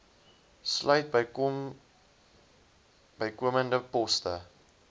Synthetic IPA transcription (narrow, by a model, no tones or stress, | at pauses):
slœɥt̚bə | bəjkuəməndəpɔstə̰